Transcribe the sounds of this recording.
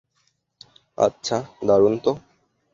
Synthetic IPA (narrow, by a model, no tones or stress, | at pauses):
a̰tːɕʰad̪aɾunt̪o